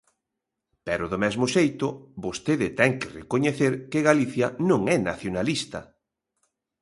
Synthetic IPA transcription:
pɛɾʊðʊmɛzmʊʃejt̪ʊbost̪eðɪt̪ɛŋkɪrekoɲeθeɾkɪɣaliθjɐnõŋɛnaθjonalist̪ɐ

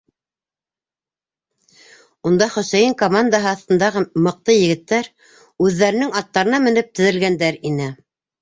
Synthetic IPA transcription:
und̪ɑχɵ̆sæjɘŋkomand̪aɦɤɑθt̪ɤ̆nd̪ɑʁɤmɤ̆q̚t̪ɤjɘ̆ɡɘ̆t̪ːæɾ | ʉðːæɾɘ̆nɘŋɑt̪ːɑɾɤ̆nɑmɘ̆nɘp̚t̪ɘ̆ðɘ̆lɡænd̪æɾinɘ

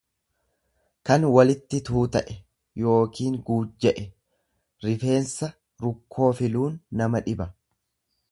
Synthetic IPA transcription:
kɐnwɐlɪt̪ːɪt̪uːt̪ɐʔɛ | jo̞ːkiːŋɡuːd͡ʒɛʔɛ | ɾɪfe̞ːnsɐ | ɾʊkʰːo̞ːfɪluːnːɐmɐᶑɪbɐ

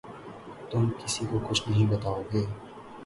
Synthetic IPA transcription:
t̪ʊmkɪsikokʊt͡ʃʰnɐɦĩbɐt̪aːoɡeː

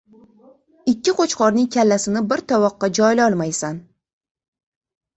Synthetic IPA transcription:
ɪkʲʰːɪqʰot͡ʃqʰɒɾnɪŋkʲʰalːasɪnɪbɪɾt̪ʰɒwɒqːɑd͡ʒɒjlɒlˠmajsan

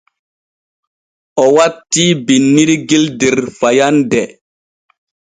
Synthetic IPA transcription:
ɔwatːibinːiɾiɡildiɾfajandɛ

